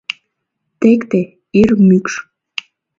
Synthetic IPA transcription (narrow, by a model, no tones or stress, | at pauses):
t̪ekt̪e | irmykʃ